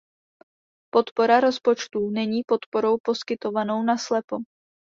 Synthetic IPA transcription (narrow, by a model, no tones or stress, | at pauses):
po̞t̪po̞ɾaɾo̞spo̞t͡ʃt̪unɛɲiːpo̞t̪po̞ɾo̞wpo̞skɪt̪o̞vano̞wnaslɛpo